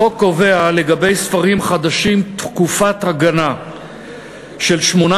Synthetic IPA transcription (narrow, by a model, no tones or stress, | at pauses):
okːo̞ve̞ale̞ɡabe̞jsfaʁimχad̪aʃimt̪kufat̪haɡana | ʃe̞lʃmo̞na